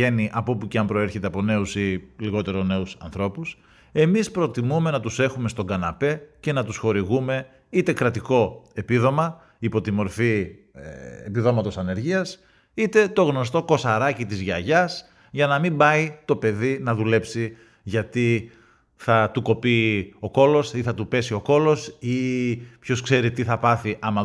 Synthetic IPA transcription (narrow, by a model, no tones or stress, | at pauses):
e̞niʔɐpo̞puceɐmpɾo̞e̞ɾçe̞t̪e̞ɐpo̞ne̞usiliɣo̞t̪e̞ɾo̞ne̞usɐnθɾo̞pus | e̞mispɾo̞t̪imume̞nɐt̪use̞xume̞st̪o̞ɡɐnɐpe̞ce̞nɐt̪usxo̞ɾiɣume̞ | it̪e̞kɾɐt̪iko̞e̞piðo̞mɐ | ipo̞t̪imo̞ɾfi | epiðo̞mɐt̪o̞sɐne̞ɾʝiɐs | it̪e̞t̪o̞ɣno̞s̬t̪o̞ko̞sɐɾɐcit̪izʝɐʝɐs | ʝɐnɐmimbɐit̪o̞pe̞ðinɐðule̞psi | ʝɐt̪i | θɐt̪uko̞pio̞ko̞lo̞siθɐt̪upe̞sio̞ko̞lo̞sipço̞skse̞ɾit̪iθɐpɐθiʔɐmɐ